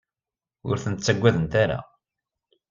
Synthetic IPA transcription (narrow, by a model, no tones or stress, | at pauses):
ʊ̰ɾθənət̪t͡sːæɡʷːæðənt̪aɾa̰